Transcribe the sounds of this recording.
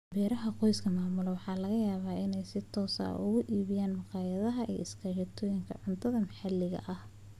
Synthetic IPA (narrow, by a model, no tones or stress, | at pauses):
bɛːɾɐɦɐqɔjskʰɐmaːmʊlɛwɑħɑːlɐɣɐjaːβaːʔɪnɛjsɪt̪ʰɔːsɐ̰ʊɣʊʔiːβɪjaːnmɑqɑːjɐðɐɦɐʔḭːɪskʰɐʃɐt̪ʰɔːjɪŋkʰɐ̰ʕʊnt̪ʰɐðɐmɐħalːɪɣɐ̰ʔɐh